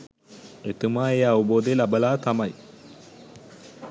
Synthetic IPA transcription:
et̪umaːeːɐʋuboːd̪elɐbɐlaːt̪ɐmɐj

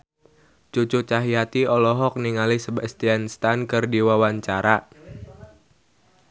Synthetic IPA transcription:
t͡ʃut͡ʃut͡ʃaɦiat̪iɔlɔɦɔk̚niŋalisəbast̪ianst̪ankɨrdiwawaɲt͡ʃaɾa

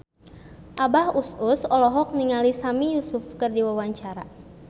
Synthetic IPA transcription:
ʔabahusʊsɔlɔɦɔk̚niŋalisamijusʊfkərdiwawaɲt͡ʃaɾa̰

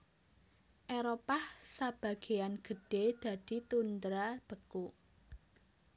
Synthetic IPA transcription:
ʔeɾopahsab̥a̤ɡ̥e̤janɡ̥ə̤ɖ̥ed̪̥ä̤d̪̥i̤t̪und̪ɾab̥ə̤ku

